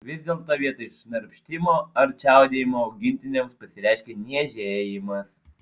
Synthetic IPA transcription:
ʋʲɪzʲd̪ʲeːlˠkt̪ɑːʋʲiɛt̪ɐɪʃʲnɐɾʲpʲʃʲt̪ʲɪmoːɐɾʲt͡ʃʲæˑʊd̪ʲeːjɪmoːɐʊɡʲɪnʲt̪ʲɪnʲemspɐsʲɪɾʲɛˑɪʃʲkʲeːnʲiɛʒʲeːjɪmɐs

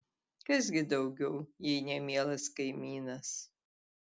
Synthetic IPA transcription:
kɐzɡʲɪd̪ɐʊɡʲɛʊjinʲɛmʲiɛlˠɐskɐɪmʲiːnɐs

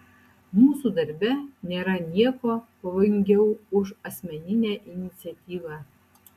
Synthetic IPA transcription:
muːsud̪ɐɾʲbʲɛnʲeːɾɐnʲiɛkopɐʋoːjɪŋʲɡʲɛwʊʃɐsʲmʲɛnʲinʲæʔinʲit̪sʲiɐt̪ʲiːʋɑ

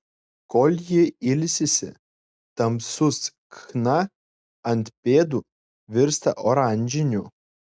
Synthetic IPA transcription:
koːlʲjɪɪlʲsʲɪsʲɪ̰ | t̪ɐmsʊs | kxnɐ | ɐnt̪pʲeːd̪u | ʋʲɪɾst̪ɐʔɔɾaˑnʲd͡ʒʲɪnʲu

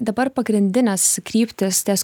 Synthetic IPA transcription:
d̪ɐbɐɾpɐɡɾʲɪnʲd̪ʲɪnʲɛskɾʲiːpʲt̪ʲɪst̪ʲɛːs

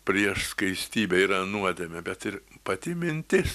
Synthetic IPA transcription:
pʲɾʲiɛʃskɐɪsʲt̪ʲiːbʲɛiːɾɐnuɔd̪ʲeːmʲɛbʲɛt̪ɪɾpɐt̪ʲɪmʲɪnʲt̪ʲɪs

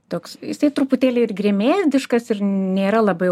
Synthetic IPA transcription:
t̪oːksjɪsɐɪt̪ɾʊpʊt̪ʲeːlʲɛɪɪrɡrʲeɛmʲeːd̪ʲɪʃkɐsɪrnʲeːɾɐlˠɐbɐɪ

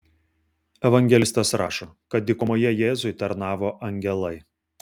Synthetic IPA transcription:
ɛʋɐŋʲɡʲɛlʲɪst̪ɐsɾɑːʃoːkɐt̪̚d̪ʲɪkʊmoːjɛjeːzʊɪt̪ɐɾnɑːʋoːʔɐŋʲɡʲɛlˠɐɪ

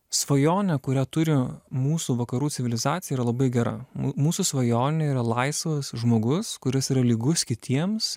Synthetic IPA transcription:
sʋɐjoːnʲɛkʊɾʲæːt̪ʊɾʲɪmuːsuːʋɐkɐɾuːt̪sʲɪʋʲɪlʲɪzɑːt̪ʲɪjɛiːɾɐlˠɐbɐɪɡʲɛɾɐ̰muːsuːsʋɐjoːnnʲɛiːɾɐlˠɐɪsʋɐsʒmoːɡʊskʊɾʲɪsiːɾɐlʲiːɡʊskʲɪt̪ʲiɛms

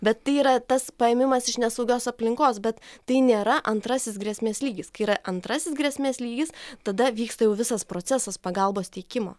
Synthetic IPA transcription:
bʲɛt̪ːɐɪiːɾɐt̪ɐspɐɛːmʲɪmɐsɪʃnʲɛsɐʊɡʲoːsɐpʲlʲɪŋkoːsbʲɛt̪ːɐɪnʲeːɾɐʔɐnt̪ɾɐsʲɪsɡɾʲɛsʲmʲeːsʲlʲiːɡʲɪskɐɪiːɾɐʔɐnt̪ɾɐsʲɪsɡɾʲɛsʲmʲeːslʲiːɡʲɪst̪ɐd̪ɐʋʲiːkst̪ɐjɛʊʋʲɪsɐspɾoːt͡s̪ʲɛsɐspɐɡɐlˠboːst̪ʲɛɪkʲɪmo̰ː

